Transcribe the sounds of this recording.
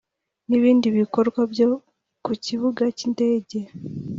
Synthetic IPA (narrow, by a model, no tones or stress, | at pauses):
niβiːndiβiko̞ɾɡwabjo̞ | kuciβuɡacinde̞ːɟe̞